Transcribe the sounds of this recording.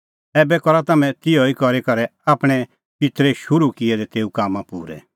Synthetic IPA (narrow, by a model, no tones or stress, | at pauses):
ɛːbɛkɔɾat̪ɐmɛ̃t̪ɪjɔikɔɾekɐɾɛaːpɽ̃ɛ | pɪt̪ɾɛʃʊɾukɪɛd̪ɛt̪eːukaːmãpṵːɾɛ̰